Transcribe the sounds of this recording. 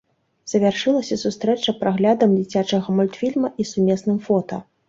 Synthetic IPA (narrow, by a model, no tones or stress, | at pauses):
z̥ɐvʲarʂɨlˠɐsʲɐsust̪ɾɛt͡ʂɐpɾaɣlʲad̪ɐmd͡zʲit͡sʲat͡ʂɐɣɐmɔlʲt̪fʲilʲmɐʔisumʲɛsnɨmfɔt̪ɐ̰